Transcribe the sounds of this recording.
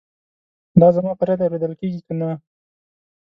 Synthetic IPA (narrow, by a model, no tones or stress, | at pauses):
d̪ɑzamɑpəɾjɑd̪awɾed̪əlkeɡikana